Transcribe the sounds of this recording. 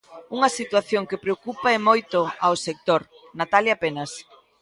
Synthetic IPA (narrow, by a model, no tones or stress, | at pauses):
uŋɐsit̪waθjoŋkɪpɾeokupaɛmojt̪ʊaosek̚t̪oɾ | nat̪aljapenɐs